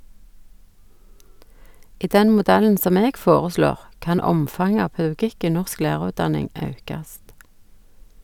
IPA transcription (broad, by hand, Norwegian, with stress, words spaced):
ˈiː ˈdɛn mʊˈdɛln̩ ˈsɔm ˈeːɡ ˈfoːʁəˌsloːʁ ˈkɑn ˈɔmfɑŋə ˈɑː pɑʉˈɡɪk ˈiː ˈnɔʁsk ˈlæːʁʉːtˌdɑnɪŋ ˈɑʉkɑst